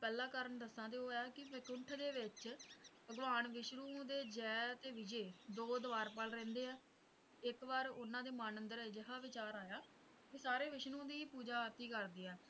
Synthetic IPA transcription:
pɛːlãːkəɾəɳd̪əsãːt̪eːoːɛːkɪʋɪkʊɳʈʰd̪eːʋɪt͡ʃpəɡʋaːnʋɪʃɾũːd̪eːd͡ʒɛːt̪eːʋɪd͡ʒeːd̪oːd̪əʋaːɾpəlɾɛ̃ːnd̪eːɛː | ɪkʋaːɾʊnãːd̪eːmaːnənd̪əɾed͡ʒɪɦaːʋɪt͡ʃaːɾaːjaː | t̪eːsaːɾeːʋɪʃnũːd̪iːpuːd͡ʒaːɾt̪iːkəɾd̪iːɛː

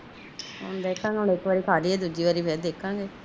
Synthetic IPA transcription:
ʊnd̪eːɪkʰːãːŋɡeɦʊnɪkːʋaːɾiːkʰaːliːɛːd̪uːd͡ʒiːʋaːɾiːpʰɛːd̪eːkʰːãːŋɡeː

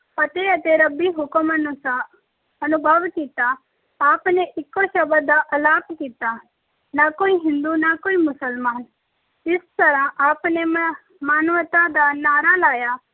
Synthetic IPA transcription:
pɐt̪eɐt̪eɾɐbiɦʊkəmənʊs | ɐnʊbʱəʋkiːt̪aː | pneʔɪkːoʃɐbəd̪aʔɐlaːpkiːt̪a | nakoːiɦɪ̃nd̪unakoːimʊsəlmaːn | t̪ɪst̪əɾãʔaːpne | maːnʋət̪ad̪anaːɾalaːjaː

